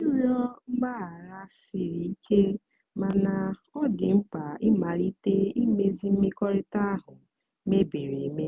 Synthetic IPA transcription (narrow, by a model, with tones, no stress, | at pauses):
u˦ɾjɔ˦ŋ͡m̩˦ɡ͡ba˦˨ɾa˦si˨ɾi˨i˦kʰe˦ | ma˨na˨ɔ˦dɪ˨ŋ͡m̩˦k͡pa˨ɪ˦ma˨ɾi˦te˦i˦me˦zi˦m̩˦me˦kɔ˦ɾɪ˦ta˦a˦ɦʊ˨˦ | me˦be˨ɾe˨˦me˦